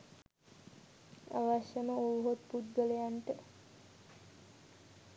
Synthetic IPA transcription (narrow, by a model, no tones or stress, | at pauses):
a̰ʋaʃjəməuːɦot̪pud̪ɡəlejanʈə